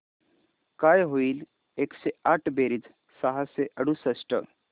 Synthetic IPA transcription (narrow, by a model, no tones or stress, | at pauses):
kajɦoiːl | ekseaʈʰbeɾid͡z | səɦaseʔəɽusəsʈə̰